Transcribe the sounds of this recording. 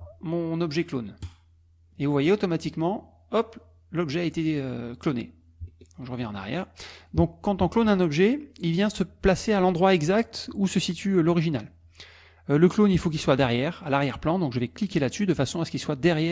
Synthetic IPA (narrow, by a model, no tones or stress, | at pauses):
mɔ̃nɔbʒɛklon | evuvwajeot̪ɔmat̪ikmɑ̃ | ɔp | lɔbʒɛaet̪eøklonḛ | d̪ɔ̃kʒəʁəvjɛ̃ɑ̃na̰ʁjɛ̰ːʁd̪ɔ̃kːɑ̃t̪ɔ̃klonɛ̃nɔbʒɛilvjɛ̃əsəplasealɑ̃d̪ʁwaɛɡzak̚t̪usəsit̪ʰyølɔʁiʒina̰l | øləklonilfok̬ʲilswad̪ɛʁjɛʁalaʁjɛʁplɑ̃d̪ɔ̃kʒəvɛklikʲelad̪əsyd̪əfasɔ̃asə̥kilswad̪ɛʁjɛ